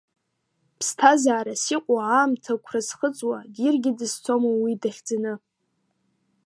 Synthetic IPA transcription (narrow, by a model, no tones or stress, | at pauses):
pʰstʰazaːɾasiqʷʼaaːmtʰakʷʰrazχət͡sʼwadirɡʲɪdɨst͡sʰomowidaχʲd͡zanɨ